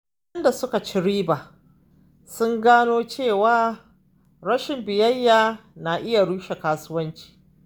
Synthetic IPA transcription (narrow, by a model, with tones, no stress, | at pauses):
ɐ˦nda˨sʊ˦ka˨t͡ʃɪ˦ɽiː˦baː˨ | sʊ˦ŋɡaː˦noː˦t͡ʃeː˦˨waː˦ | ɾɐ˦ʃɪ˨mbɪ˨jɐ˦jːaː˨na˨ʔɪ˦ja˨ɽuː˦ʃe˨kaː˦sʊ˦wɐ˦nt͡ʃi̥ː˨